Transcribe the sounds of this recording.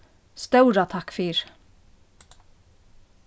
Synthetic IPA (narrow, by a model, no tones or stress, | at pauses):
st̪œʉɾɑt̪ʰɑkfiːɹ